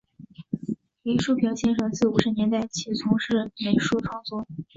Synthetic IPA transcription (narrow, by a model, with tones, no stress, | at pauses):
i˧˥ʂu˥˩pʰi˧˥ŋɕjɛ˥nʂɤ˧˥ŋt͡sɹ̩˥˩u˨˩ʂɻ̩˧˥njɛ˧˥nt̪a˥˩ɪt͡ɕʰi˧˥t͡sʰʊ˧˥ŋʂɻ̩˥˩me˧˥ɪʂu˥˧ʈ͡ʂʰwɑ˥˩ŋt͡swɔ˥